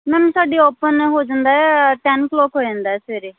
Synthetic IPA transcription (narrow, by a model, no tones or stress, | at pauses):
mɛ̃ːmsaːɖiːoːpənɦoːd͡ʒãːnd̪aːɦɛʈɛːnkloːkɦoːd͡ʒãːnd̪aːɦɛːseːɾeː